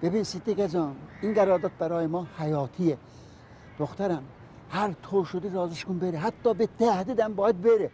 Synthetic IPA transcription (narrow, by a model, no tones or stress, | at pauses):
b̥ebinsid̪ːiɡæd͡ʒɑːniŋɡæɾɒːɾd̪ɑt̪̚bæɾɒːjemɒːhæjɒːt̪ʰie | d̪̥oxt̪æɾæm | hæɾt̪ʰoːʃod̪iɾɒːziʃkunbeɾeɦæt̪ʰːɒːbet̪ʰæhd̪iːd̪æmbɒːjæd̪̚beɾe